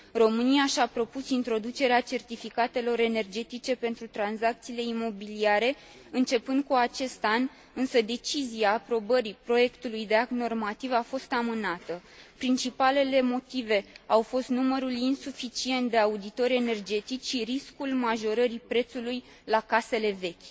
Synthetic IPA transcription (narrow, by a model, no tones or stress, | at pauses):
ro̞mɨniaʃapɾo̞pusint̪ɾo̞d̪ut͡ʃe̞ɾeat͡ʃe̞rt̪ifikat̪e̞lo̞ɾe̞ne̞rd͡ʒe̞t̪it͡ʃe̞pe̞nt̪ɾut̪ɾanzak̚t̪siːle̞imo̞biliaɾe̞ | ɨnt͡ʃe̞pɨnd̪̚kuat͡ʃe̞st̪an | ɨnsəd̪e̞t͡ʃiziaːpɾo̞bəɾipɾo̞je̞kt̪ulujd̪e̞akno̞rmat̪ivafo̞st̪amɨnat̪əpɾint͡ʃipale̞le̞mo̞t̪ive̞awfo̞st̪numəɾulinsufit͡ʃie̞nt̪̚d̪e̞aud̪it̪o̞ɾʲe̞ne̞rd͡ʒe̞t̪it͡ʃʃiɾiskulmaʒo̞ɾəɾipɾe̞t̪suluj | lakase̞le̞ve̞kʲ